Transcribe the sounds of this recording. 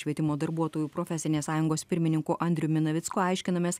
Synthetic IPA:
ʃʲʋʲiɛt̪ʲɪmoːd̪ɐɾbuɔt̪oːjuːpɾoːfʲɛsʲɪnʲeːsɑːjʊŋɡoːspʲɪɾʲmʲɪnʲɪŋkuːʔɐnʲd̪ʲɾʲʊmʲɪnɐʋʲɪt̪skoːɐɪʃʲkʲɪnɐmʲeːs

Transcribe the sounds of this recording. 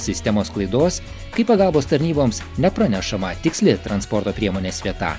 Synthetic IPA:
sʲɪsʲt̪ʲɛmoːsklˠɐɪd̪oːs | kɐɪpɐɡɑlˠboːst̪ɐɾʲnʲiːboːms | nʲɛpɾɐnʲɛʃɐmɐt̪ʲɪksʲlʲɪt̪ɾɐnspɔɾt̪oːpʲɾʲiɛmoːnʲeːsʋʲiɛt̪ɑ̰

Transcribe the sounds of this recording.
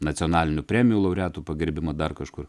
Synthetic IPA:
nɐt̪ʲɪonɑːlʲɪnʲʊpʲɾʲɛːmʲɪjuːlˠɐʊɾʲæːt̪uːpɐɡʲɪɾʲbʲɪmɐd̪ɐrkɐʃkʊr

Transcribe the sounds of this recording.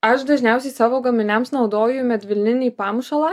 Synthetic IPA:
ɐʃd̪ɐʒʲnʲæˑʊsʲɛɪsɑːʋoːɡɐmʲɪnʲɛmsnɒʊd̪oːjʊmʲɛt̪ʲʋʲɪlʲnʲɪnʲiːpɑmʃɐlˠɑː

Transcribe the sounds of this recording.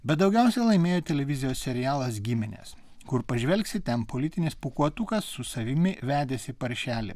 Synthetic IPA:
bʲɛt̪̚d̪ɒʊɡʲɛˑʊsʲɛlˠɐɪmʲeːjoːt̪ʲɛlʲɛʋʲɪzʲɪjoːsʲsʲɛɾʲɪjæːlˠɐsɡʲɪmʲɪnʲḛs | kʊɾpɐʒʲʋʲɛlʲksʲɪt̪ʲɛnpolʲɪt̪ʲɪnʲɪspʊkuɔt̪ukɐsːʊsɐʋʲɪmʲɪʋʲæːd̪ʲesʲɪpɐɾʲʃʲæːlʲɪ̰

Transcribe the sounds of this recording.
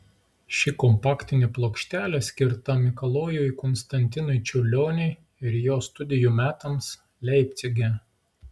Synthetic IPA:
ʃʲɪkɔmpɑːkʲt̪ʲɪnʲɪplˠoːkʃʲt̪ʲæːlʲɛsʲkʲɪɾt̪ɐmʲɪkɐlˠoːjukɔnst̪ɐnʲt̪ʲɪnʊɪt͡ʃʲɛʊlʲoːnʲɛɪ | ɪɾjoːst̪ʊd̪ʲɪjuːmʲæːt̪ɐms | lʲɛɪpʲt̪sʲɛɡʲɛ

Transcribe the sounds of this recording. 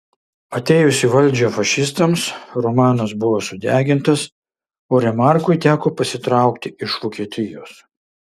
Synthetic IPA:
ɐt̪ʲɛːjʊsʲɪʋɐlʲˑd͡ʒʲoːfɐʃʲɪst̪ɐmsɾɔmɑːnɐsbʊʋoːsʊd̪ʲæːɡʲɪnt̪ɐs | oːɾʲɛmɑˑɾkʊɪt̪ʲæːkoːpɐsʲɪt̪ɾɑˑʊkt̪ʲɪɪʃʋoːkʲiɛt̪ʲɪjoːs

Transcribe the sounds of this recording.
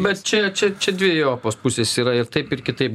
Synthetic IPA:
bʲɛt̪t͡ʃʲɛt͡ʃʲɛt͡ʃʲɛd̪ʲʋʲiɛjoːpoːspʊsʲeːsiːɾɐɪɾt̪ɐɪpɪrkʲɪt̪ɐɪp

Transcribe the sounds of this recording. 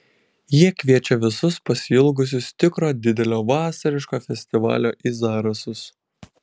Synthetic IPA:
jiɛkʲʋʲiɛt͡ʃʲɛʋʲɪsʊspɐsʲɪɪlˠɡʊs̬ʲʊst̪ʲɪkɾoːd̪ʲɪd̪ʲɛlʲoːʋɑːsɐɾʲɪʃkoːfʲɛsʲt̪ʲɪʋɑ̰ːlʲoːʔizɑːɾɐsʊs

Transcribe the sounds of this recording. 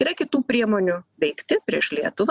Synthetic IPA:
iːɾɐkʲɪt̪uːpʲɾʲiɛmoːnʲʊʋʲɛɪkt̪ʲɪpʲɾʲiɛʃlʲiɛt̪ʊʋɐ

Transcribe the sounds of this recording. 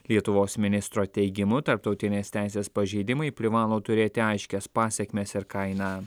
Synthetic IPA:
lʲiɛt̪ʊʋoːsmʲɪnʲɪst̪ɾoːt̪ʲɛɪɡʲɪmʊt̪ɐɾp̚t̪ɒʊt̪ʲɪnʲeːst̪ʲæˑɪsʲeːspɐʒʲɛɪd̪ʲɪmɐɪpʲɾʲɪʋɑːlˠoːt̪ʊɾʲeːt̪ʲɪɐɪʃʲkʲɛspɑːsʲɛkmʲeːsɪɾkɐɪnɑː

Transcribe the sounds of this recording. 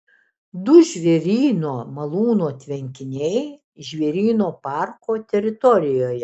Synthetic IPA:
d̪ʊʒʲʋʲɛɾʲiːnoːmɐlˠuːnoːt̪ʲʋʲɛŋʲkʲɪnʲɛɪ | ʒʲʋʲɛɾʲiːnoːpɑˑɾkoːt̪ʲɛɾʲɪt̪ɔɾʲɪjoːjɛ

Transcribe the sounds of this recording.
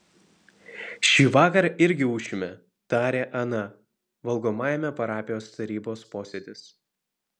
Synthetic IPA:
ʃʲiːʋɑːkɐɾɪɾʲɡʲɪuːʃʲʊmʲɛ | t̪ɑːɾʲeːʔɐnɐ | ʋɐlˠɡoːmɑːjɛmʲɛpɐɾɑːpʲɪjoːst̪ɐɾʲiːboːspoːsʲed̪ʲɪs

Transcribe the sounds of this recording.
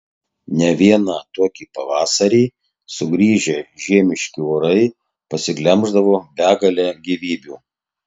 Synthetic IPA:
nʲɛʋʲiɛnɑːt̪oɔkʲiːpɐʋɑːsɐɾʲiː | sʊɡɾʲiːʒʲeʒʲiɛmʲɪʃʲkʲɪoːɾɐɪ | pɐsʲɪɡlʲɛmʒd̪ɐʋoːbʲæːɡɐlʲɛɡʲiʋʲiːbʲuː

